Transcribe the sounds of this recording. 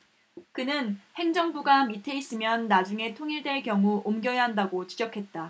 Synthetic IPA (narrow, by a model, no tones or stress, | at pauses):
kɯnɯnhe̞ŋd͡ʑʌŋbuɡamitʰe̞is͈ɯmjʌnːad͡ʑuŋe̞tʰoŋiɭdwe̞ɭkjʌŋuomɡjʌjaɦandaɡot͡ɕi̥d͡ʑʌkʰe̞t̚t͈a